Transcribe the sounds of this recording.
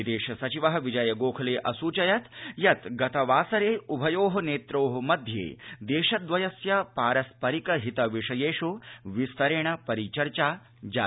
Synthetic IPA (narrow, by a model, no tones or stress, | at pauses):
id̪eːʃɐsɐt͡ʃiʋɐɦɐʋid͡ʒɐjɐɡoːkʰɐleːʔɐsuːt͡ʃɐjɐt̪jɐt̪ɡɐt̪ɐʋaːsɐɾeːubʱɐjoːɦɐ̆neːt̪ɾoːɦɐmɐd̪ʱjḛːd̪eːʃɐd̪ʋɐjɐsjɐpaːɾɐspɐɾikɐɦit̪ɐʋiʂɐjeːʂuʋist̪ɐɾeɳ̃ɐpɐɾit͡ʃɐɾt͡ʃaː | d͡ʒaː